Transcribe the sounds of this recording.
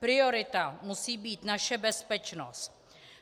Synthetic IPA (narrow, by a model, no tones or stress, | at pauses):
pɾɪoɾɪt̪amusiːbiːt̪naʃɛbɛspɛt͡ʃno̰st̪